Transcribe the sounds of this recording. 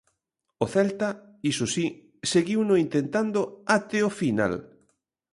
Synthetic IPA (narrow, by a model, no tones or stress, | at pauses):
oθɛlt̪a | isosi | seɣiwnoint̪ent̪and̪oat̪eofina̰l